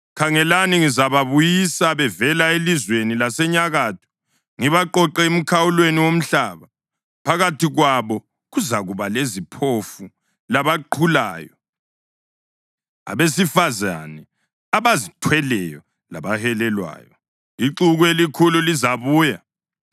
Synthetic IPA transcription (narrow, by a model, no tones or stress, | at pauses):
kʰaŋɛlaniŋizaβaβujisaβɛvɛlaelizwenilasɛɲaɣaːtʰu̥ | ŋiβaǃɔǃɛem̩kʰawulweniwom̩ɬaːβa | pʰaɣatʰiɣwaβɔ | ɣuzaɣuβalezipʰofu | laβaǃʰula̰ːjɔ | a̰βes̬ifaza̰nɛ | aβazitʰwɛlɛjɔ | la̰βahɛlɛlwa̰ːjɔ | iǃuɣuelikʰululizaβuːja